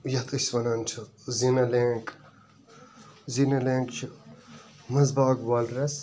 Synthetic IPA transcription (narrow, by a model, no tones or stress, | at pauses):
jɐt̪ɐsʋɐnɐnt͡ʃʰɐ | zinɐleːŋk | zinɐlẽːŋkt͡ʃʰi | mɐzbaːɡʋaːlɾɐs